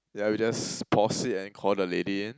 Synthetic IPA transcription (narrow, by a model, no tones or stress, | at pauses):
jawid͡ʒaspʰɔsɪtɛ̃nkʰɔldəlediɪ̃n